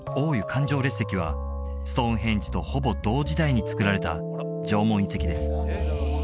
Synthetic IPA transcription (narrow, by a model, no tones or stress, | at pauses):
o̞ːjɯ̟kʰãɲ̟d͡ʑo̞ːɾe̞sːe̞kʲiβ̞a̰ | sɨ̥t̪õ̞ɦẽ̞ɲ̟d͡ʑi̥t̪o̞ho̞bo̞d̪o̞ːʑid̪aiɲ̟it͡sɨ̥kɯ̟ɾaɾe̞t̪a̰ | d͡ʑo̞ːmõ̞ɰ̃ĩse̞kʲid̪e̞sɨ̥